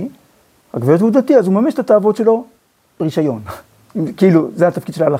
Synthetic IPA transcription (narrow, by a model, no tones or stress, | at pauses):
ʁa̰ɡveot̪ud̪at̪iazumameʃet̪at̪aːvo̞t̪ʃelo̞ | beʁiʃajo̞n | ikiluzeat̪afkid̪̥ʃelaːla